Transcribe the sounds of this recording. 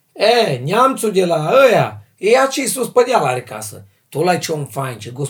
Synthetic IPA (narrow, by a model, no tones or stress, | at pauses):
ɛɲʲamt͡sudʲelaəja | eat͡ʃisuspəd̪ʲalaɾika̰sə̰ | t̪olajt͡ʃonfant͡ʃeɡos